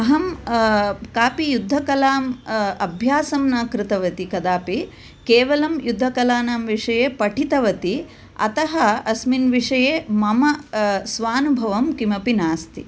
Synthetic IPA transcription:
ɐɦɐm | kaːpijud̪ʱːɐkɐlaːmɐbʱjaːsɐmnɐkɾɪt̪ɐʋɐt̪ikɐd̪aːpi | keːʋɐlɐmjud̪ʱːɐkɐlaːnaːmʋiʂɐjeːpɐʈʰit̪ɐʋɐt̪i | ɐ̰t̪ɐɦɐɐsminʋiʂɐjeːmɐmɐsʋaːnubʱɐʋɐmkimɐpinaːst̪ḭ

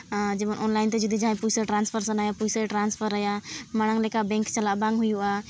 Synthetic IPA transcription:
d͡ʒemənʔɔnlaɪnt̪ed͡ʒəd̪ʱid͡ʒaɦãj̃pud͡ʒseʈɾãːnspʰəɾsənajapud͡ʒseʈɾãnspʰəɾəjamaɽ̃ãŋlɛkabɛ̃ŋkt͡ʃɐlabãŋɡɦujua

